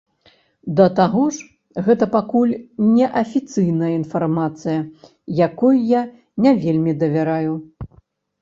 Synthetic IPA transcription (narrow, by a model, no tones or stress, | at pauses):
d̪ɐt̪aɣɔʂ | ɣɛt̪ɐpakulʲnʲɛʔɐfʲit̪sɨjnɐjɐinfarmat̪sɨjɐ | jakɔjja | nʲavʲelʲmʲid̪ɐvʲaɾaju